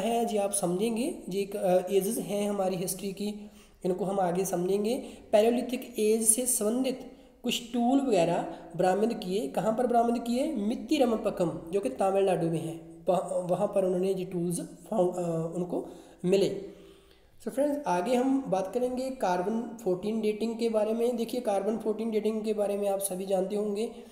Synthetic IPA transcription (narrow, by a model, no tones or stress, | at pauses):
ɦɛ̃d͡ʒiaːpsɐmd͡ʒʱẽːŋɡed͡ʒeːkeːd͡ʒɪzɦɛ̃ɦɐmaːɾiɦɪsʈɾiki | ɪnkoɦɐmaːɡesɐmd͡ʒʱẽːŋɡeːpɛːɾoːliʈʰɪkeːd͡ʒsesəbə̃nd̪ʱɪt̪ | kʊt͡ʃʰʈuːlʋɐɣɛːɾabɾaːmɪd̪kiekɐɦãpɐɾbɾaːmɪd̪kiemɪt̪ːiɾɐməpəkəmd͡ʒoːket̪ãːmɪlnaːɖubeɦɛ̃ːʋɐɦãpəɾʊnɦõːnejeʈuːlzpʰaːʊnko | mɪleː | səɾpʰɾɛ̃ːɳzaːɡeɦɐmbaːt̪kɐɾẽːŋɡekaːɾbənpʰoːɾʈiːnɖeːʈɪ̃ŋɡkebaːɾemẽd̪eːkʰiekaːɾbənpʰoːɾʈiːnɖeːʈɪ̃ŋɡkebaːɾemẽaːpsɐbʱid͡ʒãːnt̪eɦõːŋɡeː